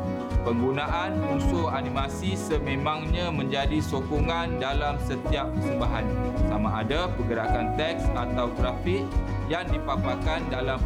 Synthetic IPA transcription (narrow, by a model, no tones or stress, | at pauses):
pəŋɡunaʔanmusʊhanimasisəmẽmãŋɲãmə̃ɲd͡ʒadisokɔŋandalamsət̪iap̚ːəsəmbaɦansamaːdapəɡəɾakant̪ɛk̚sat̪awt̪ɾafɪk̚ | jaŋdipapakandalam